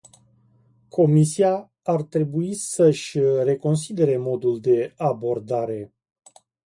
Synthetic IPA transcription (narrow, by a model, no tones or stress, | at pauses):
kʰo̞misia | art̪ɾe̞buisəʃʲre̞ko̞ns̬id̪e̞ɾe̞mo̞d̪uld̪e̞abo̞rd̪aɾe̞